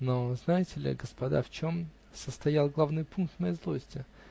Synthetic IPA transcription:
noznajɪtʲɪlʲɪ̰ɡəspɐd̪a̰ft͡ɕom | səst̪ɐjalˠɡlˠavnɨjpunk̚t̪mɐjezlˠosʲtʲɪ

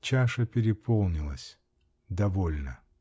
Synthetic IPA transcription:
t͡ɕaʂəpʲɪɾʲɪpʰolˠnʲɪlˠəsʲ | d̪ɐvolʲnə̰

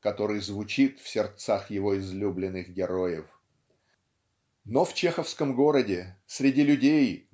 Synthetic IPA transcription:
kɐt̪o̞ɾɨjzvʊt͡ɕit̪fsʲɪrt̪saxjɪvo̞ɪzlʲublʲɪnːɨxɡʲɪɾo̞jɪf | noft͡ɕexəfskəmɡo̞ɾədʲɪsʲɾʲɪdʲilʲʉdʲej

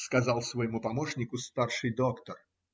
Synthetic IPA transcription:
skɐzɑlˠsvɐjɪmupɐmoʂnʲɪkʊst̪arʂɨjd̪okt̪ər

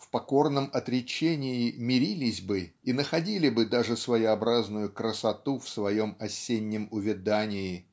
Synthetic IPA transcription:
fpɐko̞rnəmɐt̪ɾʲɪt͡ɕenʲɪɪmʲɪɾʲilʲɪsʲbɨinəxɐdʲilʲɪbɨd̪aʐɨsvəjɪɐbɾaznʊjʊkɾəsɐt̪ufsvɐjo̞mɐsʲːenʲːɪmʊvʲɪd̪anʲɪɪ

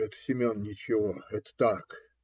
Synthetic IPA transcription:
ɛt̪sʲɪmʲonnʲɪt͡ɕɪvoɛt̪ə̥t̪ak

